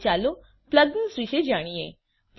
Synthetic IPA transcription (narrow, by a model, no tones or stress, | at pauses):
t͡ɕalo | pləd̪nəsɾiɕed͡ʑaɽ̃ije | p